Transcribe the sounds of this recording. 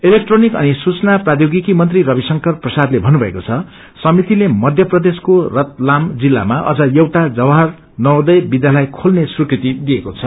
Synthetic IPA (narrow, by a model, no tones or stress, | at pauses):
elek̚ʈronikʌ̰nisut͡sʌnaprad̪joɡikimʌnt̪rirʌbisʌŋkʌrprʌsad̪lebʱʌnubʱʌḛkot͡sʰʌ | sʌmit̪ilemʌd̪ʱjʌprʌd̪eskorʌt̪̚lamd͡zilːa̰maʔʌ̰d͡zʌjewʈad͡zʌbɦʌr | nʌwd̪ʌjbid̪ʱjalajkʰolnesrukrit̪id̪ijekot͡sʰʌ